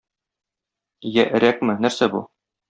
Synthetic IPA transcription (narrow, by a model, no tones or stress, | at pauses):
jæʔɘ̆ɾækmɘnæɾsæbṵ